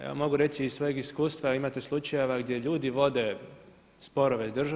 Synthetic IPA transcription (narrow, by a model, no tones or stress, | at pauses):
ḛʋa̰mo̞ɡuɾe̞t̪siizʋo̞jeɡiskuːst̪ʋaimat̪eslˠut͡ʃajeʋaɡd̪je̞ʎuːd̪iʋo̞d̪e̞ | spo̞ɾo̞ʋezd̪r̩ʒ